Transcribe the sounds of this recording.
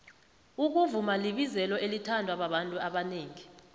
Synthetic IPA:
uk̬uvumaliɓizɛlɔelitʰandʱwaɓaɓantʼuaɓaneːŋi

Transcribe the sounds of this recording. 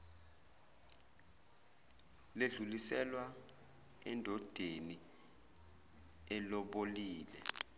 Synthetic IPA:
leɮulisɛlwa | ɛndʱɔd̥ʱeni | ɛlɔɓoliːlɛ

